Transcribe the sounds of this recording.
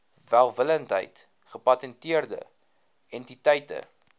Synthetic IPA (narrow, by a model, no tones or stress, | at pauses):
vælˠvələntɦə̰jt | χəpɐtɛntiərdə̰ | ɛntitəjtə̰